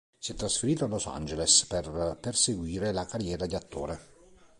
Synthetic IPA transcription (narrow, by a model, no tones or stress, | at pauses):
siɛt̪ːɾasfeɾiːt̪oalosa̰nd͡ʒelesperperseɡwiːɾelakaɾjɛːɾad̪iat̪ːo̰ːɾe